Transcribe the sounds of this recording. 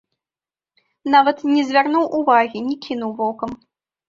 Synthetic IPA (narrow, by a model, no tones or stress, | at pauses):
navɐt̪nʲɛzʲvʲarnuwʔuvaɣʲinʲɛkʲinuwvɔkɐm